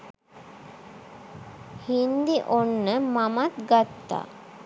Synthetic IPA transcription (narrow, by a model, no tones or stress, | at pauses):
hind̪iʔonːəmamat̪ɡat̪ːa̰ː